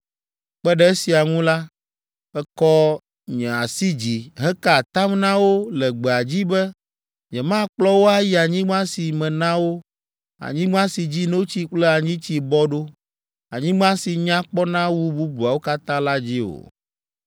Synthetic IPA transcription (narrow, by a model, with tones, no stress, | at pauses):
k͡pɛ˦ɖɛ˦e˦si˨a˨ŋũ˦la˦ | ɛ˦kɔ˦ | ɲɛ̃˨a˨si˦d͡ʑi˨ɦɛ˦ka˦˨t̪ã˦mnã˦wo˦lɛ˨ɡ͡bɛ˨a˨d͡ʑi˦bɛ˦ | ɲɛ̃˨mã˦k͡plɔ˦wo˦a˦ji˦a˨ɲĩ˦ɡ͡bã˦si˨mɛ̃˨nã˦wo˦ | a̰˨ɲĩ˦ɡ͡bã˦si˨d͡ʑi˦nõ˦wo˦t͡ɕi˦k͡plɛ˦a˨ɲĩ˦t͡ɕi˦bɔ˦ɖo˦ | a̰˨ɲĩ˦ɡ͡bã˦si˨ɲã˦k͡pɔ˦nã˦wu˦bu˦bu˨a˨wo˦ka˦t̪ã˦la˦d͡ʑi˦o̰˨